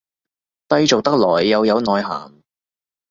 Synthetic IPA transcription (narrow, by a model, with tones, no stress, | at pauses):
t̪ɐ˥jt͡so˨wt̪ɐ˥k̚lɔː˨˩jːɐ˨˧wjɐ˨˧wnɔː˨jɦa̰ː˨˩ŋ